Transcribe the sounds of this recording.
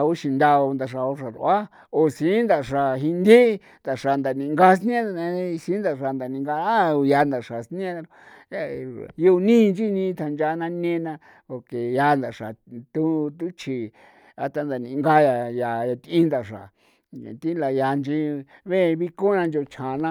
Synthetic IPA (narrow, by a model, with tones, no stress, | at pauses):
a˧u˦ʃi˧nd̪a˧o˧nd̪a˧ʂa˨o˧ʂa˨ɾṵ˧a˦ | o˧sĩ˨˦nd̪a˨ʂa˨ɦi˧nd̪i˦ | nd̪a˨ʂa˨nd̪a˨nĩ˧ŋɡa˦s̬nĩ˦ẽ˦a˧nẽ˧˦˧sĩ˨˦nd̪a˧ʂa˧˨nd̪a˨nĩ˧ŋɡa˧a˦˧ja˧nd̪a˨ʂa˨sn˦ẽ˦a˧ | a˧ju˦˧nĩ˦˧nd͡ʒi˦nĩ˧˦˧t̪ʰa˧nd͡ʒa˧˦nã˦nẽ˦nã˧ | po˨ke˨ja˧nd̪a˨ʂa˨t̪u˦t̪u˦t͡ʃʰi˨ | a˧t̪a˧nd̪a˨nĩ˧˨˧ŋɡa˧ja˨ja˨a˧t̪ĩ˦nd̪a˨ʂa̰˨ | t̪i˦la˧ja˧nd͡ʒi˧βẽ˦˧βi˦ko˦nã˧nd͡ʒo˧t͡ʃʰã˨nã˧